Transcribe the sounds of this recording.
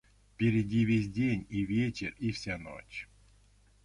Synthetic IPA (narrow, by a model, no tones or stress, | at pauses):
fpʲɪɾʲɪdʲivʲesʲdʲenʲivʲet͡ɕḛrifsʲano̰t͡ɕ